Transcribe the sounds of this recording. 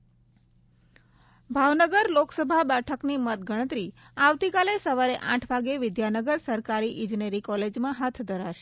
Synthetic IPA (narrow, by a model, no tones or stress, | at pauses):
bʱaʋnəɡəɾloksəbʱabɛʈʰəknimət̪̚ɡʱəɽ̃ət̪ɾi | aʋt̪ikalesəʋaɾeʔã̰ʈʰʋaɡeʋɪd̪janəɡəɾsəɾkaɾiʔɪd͡ʒneɾikɔled͡ʒmãɦat̪ʰd̪ʱəɾaʃe